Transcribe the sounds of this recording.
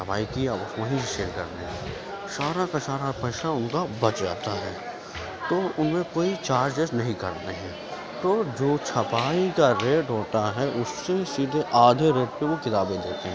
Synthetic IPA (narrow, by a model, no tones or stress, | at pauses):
əpa̰ːikiaʊsmɐɦĩʃeːɾkɐɾneɛ̃ | ʃaːɾakaʃaːɾapɛːʃaʊnkabɐt͡ʃd͡ʒa̰ːt̪aɦɛː | t̪oːʊnmẽkoːit͡ʃaːɾd͡ʒd͡ʒɛːsenɐɦĩkɐɾt̪eɦɛ̃ː | t̪oːd͡ʒoːt͡ʃʰɐpaːikaɾeːʈɦoːt̪aɦɛʔʊsːesiːd̪ʱeʔaːɖʱeɾeːʈ̚peʋokɪt̪aːbed̪eːt̪eɦɛ̃ː